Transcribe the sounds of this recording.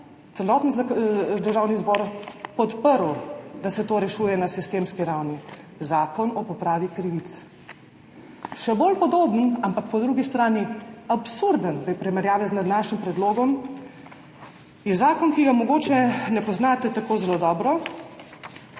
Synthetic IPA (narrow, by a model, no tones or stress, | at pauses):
t̪sɛlɔːt̪nɔd̪əɾʒaːwnizbɔːɾpɔt̪pəɾwd̪asɛt̪oːɾɛʃuːjɛnasist̪eːmskiɾawni | zaːkɔnɔpɔpɾaːʋikɾiʋit̪s | ʃɛbolpɔd̪oːbənampakpɔd̪ɾuɡist̪ɾaːniapsuɾd̪ənpɾipɾimɛɾjaːʋɛznad̪naːʃnimpɾɛd̪loːɡɔm | jɛzaːkɔnkiɡamɔɡoːt͡ʃɛnɛpɔznaːt̪ɛt̪akoːzɛlod̪ɔːbɾɔ